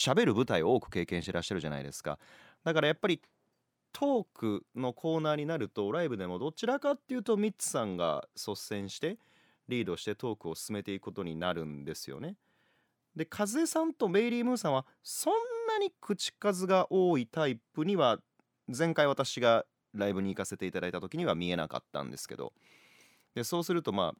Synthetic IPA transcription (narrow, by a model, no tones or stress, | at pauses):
ɕabe̞ɾɯ̟bɯ̟t̪aiooːkɯ̟̥ke̞ːkẽ̞ɕit̪ɾa̰ɕːaɾɯ̟ʑa̰na̰id̪e̞̰sɨ̥ka̰ | d̪akaɾajapːaɾʲi | t̪ʰo̞ːkɯ̟no̞kʰo̞ːnaːɲ̟inaɾɯ̟t̪o̞ɾaibɯ̟d̪e̞mo̞d̪o̞t͡ɕiɾakat̪ːe̞jɯ̟ːt̪o̞mʲit͡sɨ̥sãŋɡa̰so̞ssẽ̞ɰ̃ɕi̥t̪e̞ | ɾʲiːd̪o̞ɕi̥t̪e̞t̪o̞ːkɯ̟o̞sɨ̥sɨme̞t̪e̞ikɯ̟ko̞t̪o̞ɲ̟inaɾɯ̟̃nd̪e̞sɨjo̰ne̞ | d̪e̞kʰazɨesãnt̪o̞me̞ɾʲiːmɯ̟ːsãɰ̃βa | sõ̞nːaɲ̟ikɯ̟t͡ɕi̥kazɨɡaʔo̞ːit̪aipɯ̟ɲ̟iβa | zẽ̞ŋkaiβ̞at̪aɕiɡa | ɾaibɯ̟ɲ̟iːkase̞t̪e̞it̪ad̪ait̪at̪o̞kʲiɲ̟iβamʲie̞na̰ka̰t̪ːã̰nd̪e̞sɨ̥ke̞̰d̪o̰ | d̪e̞so̞ːsɨɾɯ̟t̪o̞ma̰ː